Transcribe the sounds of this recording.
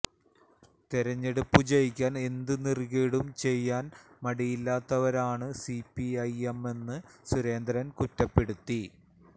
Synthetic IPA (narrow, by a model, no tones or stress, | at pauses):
t̪iɾɐɲːe̞ɽupːut͡ɕɐjikʲːaːne̞nd̪ɨnirkeːɽumt͡ɕe̞jːaːn | mɐɽijilːaːt̪ːɐʋɐɾaːɳɨsipːiɐjeme̞nːɨsuɾe̞ːnd̪ɾɐnkutːɐpːe̞ɽut̪ːi